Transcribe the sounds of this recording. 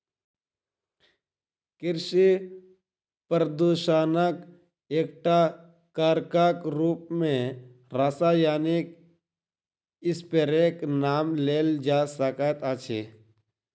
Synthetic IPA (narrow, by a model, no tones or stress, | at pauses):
kɪɾʃi | pəɾd̪uːʃaːnak | eːk̚ʈa | kaːɾkaːkɾuːp̚mẽ | ɾasaːjaːnek | ɪspeɾeːknaːmleːld͡ʒaːsəkat̪aːt͡ʃʰeː